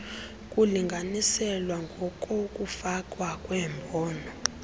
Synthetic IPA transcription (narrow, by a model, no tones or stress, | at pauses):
kʼuliŋɡʱanisɛlwaŋɡʱɔkʼɔkʼufakʼwakʼwɛːmbʱɔːnɔ